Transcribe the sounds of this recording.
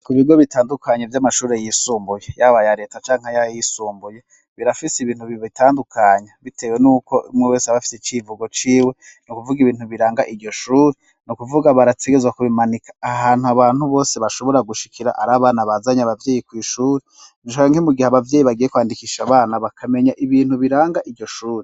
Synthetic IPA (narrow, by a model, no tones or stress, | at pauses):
kuβiɡo̞βitaːndukaɲevjamaʃuːɾejisuːmbujejaβajaɾe̞ːtat͡ʃaːŋhajajisuːmbuje | βiɾafisiβiːn̥huβiβitaːndukʰaɲaβitʰe̞ːwenuːko̞umŋeweːseaβafi̥set͡ʃivuɡo̞t͡ʃiːwe̞ | nukuvuɡiβiːn̥uβiɾaːŋɡaʔidɟo̞ʃuːɾi | nukuvuɡaβaɾateɡe̞zwakuβimanikḁːɦaːn̥huaβaːnhuβo̞ːseβaʃo̞βo̞ɾaɡuʃi̥kʰiɾa̰ʔa̰ɾaβaːnaβazaɲaβavje̞ːjikwiːʃuːɾe | niʃoaaŋhemuɡihaβavjeːjiβaɡijekwaːndikiʃaβaːnaβakʰame̞ɲaʔiβiːn̥huβiɾaːŋɡaʔiɾɟo̞ʃuːɾi